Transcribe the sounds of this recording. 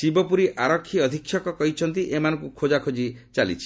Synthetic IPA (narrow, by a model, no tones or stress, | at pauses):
sibɔpuɾiʔaɾɔkʰːiɔd̪ʱikʰːjɔkɔkɔɦit͡ʃʰɔnt̪iʔemanɔŋkukʰod͡ʒakʰod͡ʒit͡ʃalḭt͡ʃʰi̥